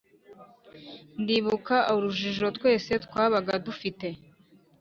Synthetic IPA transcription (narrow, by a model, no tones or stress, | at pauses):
ndiβukaʔuɾuʒiʒo̞tkwe̞ːse̞twaːβaɡadufite̞